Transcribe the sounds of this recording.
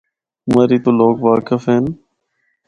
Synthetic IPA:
məɾiːt̪oːloːkʋaːkəfɦeːn

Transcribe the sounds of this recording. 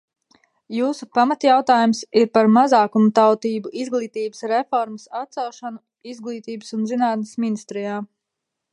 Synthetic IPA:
juːsupamat̪jawt̪aːjumsiɾpaɾmazaːkumut̪awt̪iːbuʔizɡlˠiːt̪iːbəsɾɛfɔɾməsat̪sawʃanu | izɡlˠiːt̪iːbəsunzinaːt̪nɪsminist̪ɾijaː

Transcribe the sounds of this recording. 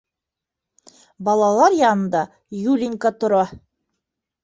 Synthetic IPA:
bɑlˠɑlˠɑɾjɑnɤ̆nd̪ɑ | julʲiŋkɑt̪ŏɾɑ

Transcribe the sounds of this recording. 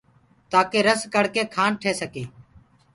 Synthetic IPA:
t̪aːkeːɾəskəɽkeːkʰaːnʈʰeːsəkeː

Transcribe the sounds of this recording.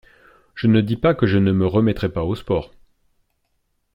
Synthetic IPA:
ʒ̥ənəd̪ipakəʒənəməʁəmɛt̪χɛpaospɔːʁ

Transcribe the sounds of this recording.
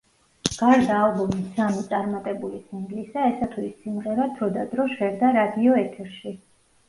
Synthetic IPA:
ɡ̥aɾd̪aːlˠbɔmisamit̪sʼaɾmat̪ʼɛbulisiŋɡlisaɛsat̪ʰwuisːimʁɛɾat̪ʰɾɔd̪ad̪ɾɔʃɛɾd̪aɾad̪iɔɛt̪ʰɛɾʃi

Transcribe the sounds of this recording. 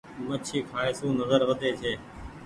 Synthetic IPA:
mət͡ʃʰiːkʰaːeːsũːnəzəɾʋəd̪eːt͡ʃʰeː

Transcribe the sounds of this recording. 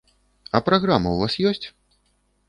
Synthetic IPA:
ɐpɾaɣɾamɐwvasjɔsʲt͡sʲ

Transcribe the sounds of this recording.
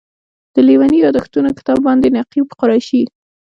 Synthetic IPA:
d̪̥əliwanijɑd̪axt̪unokɪ̥t̪ɑbːɑnd̪enaqipqʊɾɑʃi

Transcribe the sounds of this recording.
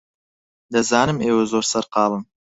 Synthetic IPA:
d̪azaːnɨmewezoɾsɑɾqɑːlˠəm

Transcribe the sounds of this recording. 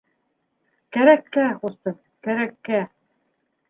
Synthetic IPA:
kæɾækːæχust̪ɤm | kæɾækːæ

